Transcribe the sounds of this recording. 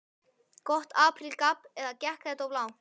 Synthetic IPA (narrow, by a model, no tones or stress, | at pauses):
kɔht̪aːpʰɾilkapɛðacɛhkɛjt̪awvlaːw